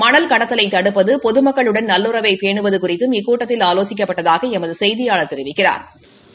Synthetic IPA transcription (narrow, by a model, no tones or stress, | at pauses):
mɐɳɐlkɐɽɐt̪ːɐlɐɪt̪ɐɽɯpːɐðɯpɔðɯmɐkːɐɭɯɽɐnnɐlːɯɾɐʋɐɪpeːɳɯʋɐðɯkʊrɪt̪ːɯmɪkːuːʈːɐt̪ːɪlaːloːsɪk̬ːɐpːɐʈːɐðaːɣɐɛmɐðɯsɛjðɪjaːɭɐt̪ːɛɾɪʋɪkːɪra̰ːɾ